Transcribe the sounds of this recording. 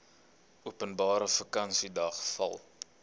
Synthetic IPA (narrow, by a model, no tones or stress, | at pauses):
uəpənbɑːɾəfəkɐnsidɐχfɐ̰lˠ